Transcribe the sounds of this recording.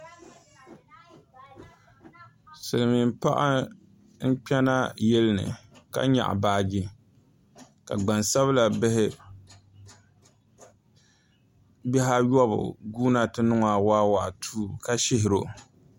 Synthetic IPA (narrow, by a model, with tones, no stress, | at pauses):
sɨ˨lɨ˨mi˨mpa̰˦ʔa̰˦ | n̩˦k͡pɛ˦na˦jɛ˦lɨ˦nɨ̰˨ka̰˦ɲa̰˨ʔa̰˨baː˦ɡi˦ | ka̰˨ɡ͡ba˨nsa˦βla˨bɪ˦hɪ˦ | bɛ˦ɦa˦jɔ˦bʊ̰˨ɡuː˦na˦tɨ˦nʊ˦ŋa˨waː˦wa˨ʔtʰuː˦ka˦ʃɪ˦hɪ˨ɾo˨